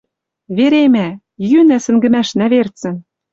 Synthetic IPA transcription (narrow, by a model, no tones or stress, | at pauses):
βeɾemæ | jynæsɘ̆ŋɡɘ̆mæʃnæβert͡sɘ̆n